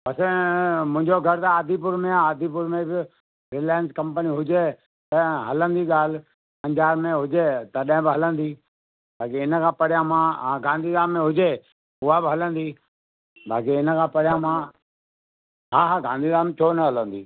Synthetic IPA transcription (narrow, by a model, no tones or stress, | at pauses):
pɐsẽmʊ̃ɦɪ̃ɲd͡ʒoɡʱəɾt̪aaːd̪ʱipʊɾmẽaaːd̪ʱipʊɾmẽbɪ | ɾɪlaːjənskɐmpəniɦʊd͡ʒeː | t̪əɦɐlə̃nd̪iːɠaːl̤ | pɐ̃ɲd͡ʒaːɾmẽɦʊd͡ʒeːt̪ɐɗɦɪ̃bɪɦɐlə̃nd̪iː | baːkiɪnəkʰãːpɐɽɪjãmãːɡãːnd̪ʱiːɡaːmːẽɦʊd͡ʒeː | ʊɦabɪɦɐlə̃nd̪iː | bʱa̰ːkiɪnəkʰãːpɐɽɪjãmãː | ɦaːɦaɡãːnd̪ʱiɡãːmt͡ʃʰoːnəɦɐlə̃nd̪iː